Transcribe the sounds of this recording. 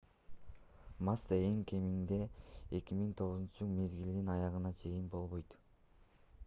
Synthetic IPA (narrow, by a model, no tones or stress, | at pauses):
maseŋkʲʰe̞mind̪e̞ekʲimiŋt̪ʰo̞ʁuzunt͡ʃume̞zɡild̪inɑjɑʁɯnɑt͡ʃʰe̞jinbo̞lˠβo̞jt̪